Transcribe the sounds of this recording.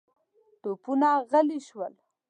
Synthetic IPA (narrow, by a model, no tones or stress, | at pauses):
t̪opunaɣəliʃwəl